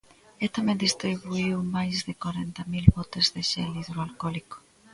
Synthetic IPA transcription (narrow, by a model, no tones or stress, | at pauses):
et̪amẽnd̪ist̪ɾiβuiwmajzðekwaɾent̪amilβɔt̪ezðeʃeliðɾoalkɔliko̥